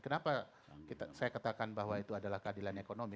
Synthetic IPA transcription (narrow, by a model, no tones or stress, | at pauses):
kənapa | kit̪asajakat̪akanbaɦwait̪uadalahkəadilanekonomi